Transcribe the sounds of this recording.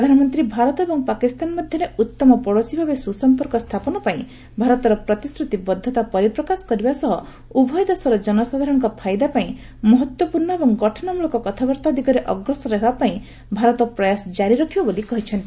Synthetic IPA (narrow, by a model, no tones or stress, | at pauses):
pɾɾɔd̪ʱanɔmɔnt̪ɾibʱaɾɔt̪ɔebɔŋpakist̪anmɔd̪ʱjɔɾeut̪ːɔmɔpɔɽosibʱabesusɔmpɔɾkɔst̪ʰapɔnɔpaĩ | bʱaɾɔt̪ɔɾɔpɾɔt̪isɾut̪ibɔd̪ʱːɔt̪apɔɾipɾɔkasɔ̥kɔɾibasɔɦɔ | ubʱɔjd̪asɔɾɔd͡ʒɔnɔsad̪ʱaɾɔŋkɔpʰajd̪apaĩ | mɔɦɔt̪wɔpuɾɳɔebɔŋɡɔʈʰɔnɔmulɔkɔkɔt̪ʰabɔɾt̪ad̪ikɔɾeʔɔɡɾɔsɔɾɔɦebapaĩ | bʱaɾɔt̪ɔpɾɔjasɔd͡ʒaɾiɾɔkʰibɔbolikɔɦit͡ʃʰɔnt̪i